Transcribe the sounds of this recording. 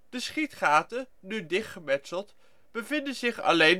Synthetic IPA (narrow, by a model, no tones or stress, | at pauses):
d̥əsχitχaːtə | nydɪχtχəmɛtsəlˠt | b̥əvɪndəzɪχɑ̰lejn